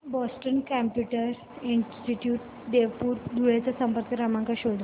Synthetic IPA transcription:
bɔsʈənkæmpjuʈəɾɾ | insʈiʈjuːʈ | d̪eʋpuːɾd̪ʱuɭat͡sasəmpəɾkəɾamaŋkaɕoɽ

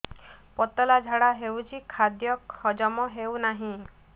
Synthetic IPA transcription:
pɔt̪ɔlad͡ʒʱaɽaɦewt͡ʃʰikʰad̪jɔkʰɔd͡ʒɔmɔɦewnaɦĩ

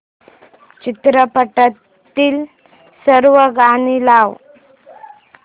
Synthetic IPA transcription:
t͡ɕit̪ɾəpəʈət̪ːiːl | səɾʋəɡanilaʋ

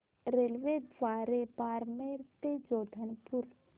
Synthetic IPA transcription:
ɾelʋed̪ʋaːɾebaːɾmeɾt̪ed͡ʒoːd̪ʱənpuɾ

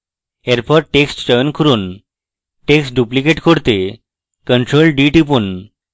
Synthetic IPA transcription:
eɾpʰɔɾʈeksʈt͡ɕɔjnkʰuɾun | ʈeksʈɖuplikeʈkoɾt̪e | kənʈɾolɖiʈipun

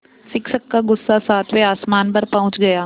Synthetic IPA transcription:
sɪkʃəkːaɡʊsːasaːt̪ʰʋeaːsmaːnpɐɾpɐɦʊ̃t͡ʃɡɐjaː

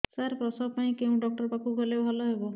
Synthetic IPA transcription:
saɾpɾɔsɔpaĩkeũɖɔk̚ʈɔɾpakuɡʱɔlebʱɔlɔɦebɔ

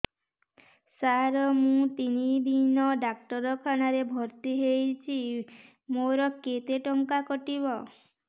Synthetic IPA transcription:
saɾɔmũt̪inid̪ʱinɔɖak̚ʈɔɾɔkʰañaɾebʱɔɾt̪iɦejt͡ʃʰi | moɾɔket̪eʈɔŋkakɔʈiβɔ

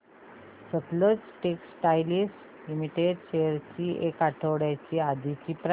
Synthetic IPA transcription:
sət̪lət͡sʈeksʈajlis | limiʈeɖɕejəɾt͡ɕiːʔekaʈʰəʋɽjat͡ɕiːad̪it͡ɕiːpɾ

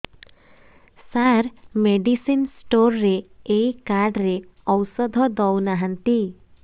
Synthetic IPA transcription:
saɾmeɖisinsʈoɾːeejkaɾɖɾeɔwsɔd̪ʱɔd̪ɔwnaɦant̪i

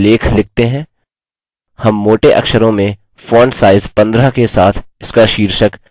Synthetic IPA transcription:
leːkʰlɪk̚t̪eɦɛ̃ː | hɐmːoːʈeʔɐ̰kʃəɾõmẽ | fɔːɳɖsaːɪzpɐ̃nd̪ɾakesaːt̪ʰɪskaʃiːɾʃək

